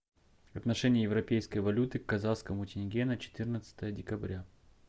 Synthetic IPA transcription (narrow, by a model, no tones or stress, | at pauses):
ɐt̪nɐʂɛnʲɪjəjɪvɾɐpʲejskəjvɐlʲut̪ɨkːɐzaskəmʊːtʲɪnʲɪɡʲenət͡ɕɪ̥t̪ɨrnət̪sə̥t̪əjədʲɪkɐbɾʲa